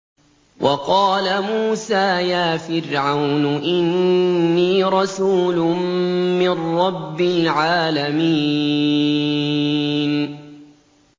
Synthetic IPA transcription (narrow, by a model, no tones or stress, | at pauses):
wʔɑqɑːlamuːsaːjaːfɪɾʕawnʔɪnː | iːɾˤɑsuːlʊmmɪrːɑbːɪlʕaːlamiː | n